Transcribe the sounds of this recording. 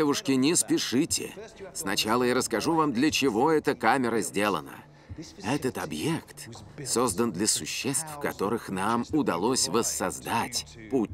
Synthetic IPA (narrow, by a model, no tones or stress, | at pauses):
evʊʂkʲɪnʲɪspʲɪʂɨtʲɪ̰snɐt͡ɕalˠəjaɾəskɐʐuvamd̪lʲət͡ɕɪvo̞ɛt̪əkamʲɪɾəzʲdʲelˠənə̰ | ɛt̪ət̪ɐbjekt̪so̞zd̪ənd̪lʲəsʊɕːest̪fkɐt̪o̞ɾɨxnamʊd̪ɐlˠo̞sʲvəsːɐzd̪atʲ | put̚ʲ